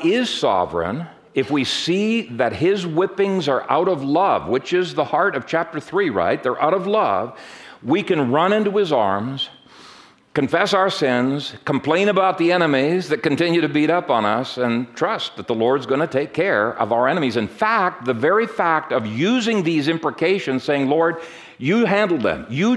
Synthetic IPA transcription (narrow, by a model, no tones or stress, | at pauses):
ɪz̥sɑ̰vɹɨ̰̃n | ɨfwisiðɨt̚ɪzwɪpɪ̃ŋzə˞ʔa̰ʊɾʌvlʌvwɨt͡ʃɪzðəhɑɹɾʌv̥t͡ʃʰæp̚tə˞θɹiɹa̰ɪt̪̚ðə˞ʔa̰ʊɾʌvlʌ̰vwikɨ̃nɹʌ̃ñɪ̃ntuɨzɑ̰ɹmz̥ | kɨ̃ɱfɛsaʊə˞sɪ̃nz̥kʰm̩pʰl̥ẽɪ̃ñɨbaʊt̪̚ðiɛñɨmizðɨt̚kɨ̃n̩tɪ̃njʉɾɨbiɾʌpn̩ʌ̰sɨ̃ntʰɹ̥ʌst̪̚ðɨt̪̚ðəlɔɹdzɡʌñɨtʰeɪkʰːɛɹʌ̰vaʊə˞ɛñɨmizɨ̃nfæk̚t̪̚ðɨvɛɹifæk̚tʌvjʉzɪ̃ŋðizɪ̃mpɹɨkʰeɪʃɨ̃nz̥seɪɪ̃ŋlɔɹd̚ | jɨɦæ̃ndˡl̩ˠðɨ̰̃mjɨ